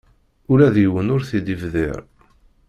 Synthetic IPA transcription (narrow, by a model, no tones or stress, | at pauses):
ʊɾæðjwənʊɾθid̪ivðɪ̰ɾ